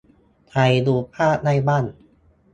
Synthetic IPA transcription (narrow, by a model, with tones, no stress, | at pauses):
t̪ʰa˧jduː˧pʰaː˥˩na˥˩jbaː˥˩n